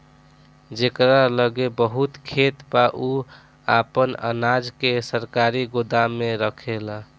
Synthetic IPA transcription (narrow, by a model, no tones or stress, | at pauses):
d͡ʒekɾaləɡebəɦut̪kʰet̪baʔu | apənə̰nad͡ʒkesəɾkaɾiɡod̪amːeɾəkʰela